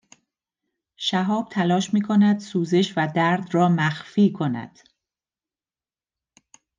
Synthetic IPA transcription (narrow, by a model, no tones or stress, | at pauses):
ʃæɦɒːb̥̚t̪ʰælɒːʃmiːkʰonæd̪̥suːzeʃvæd̪æɾd̪rɒːmæxfiːkʰo̞næ̰d̪̥